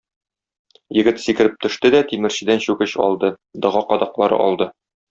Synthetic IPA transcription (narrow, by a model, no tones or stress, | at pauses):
jɘ̆ɡɘt̪sikɘ̆ɾɘp̚t̪ɵ̆ʃt̪ɘd̪æt̪imɘ̆ɾɕɘ̆d̪ænɕʉɡɘɕɒ̰lˠd̪ɤ | d̪ɒ̆ʁɑqɒd̪ɑqlˠɑɾɤ̰ʔɒ̰lˠd̪ɤ